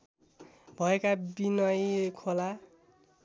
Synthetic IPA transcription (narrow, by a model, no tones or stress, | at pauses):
bʱʌekabinʌjekʰola